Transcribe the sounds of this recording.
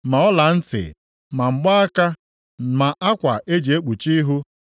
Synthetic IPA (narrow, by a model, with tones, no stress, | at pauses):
ma˨ɔ˦la˨n̩˦tɪ̰˨ | ma˨ŋ͡m̩˨ɡ͡ba˦a˦ka˦ | ma˨ʔa˦kʷa̰˨ʔe˦d͡ʒi˨e˦k͡pu˨t͡ʃi˦ɦu˦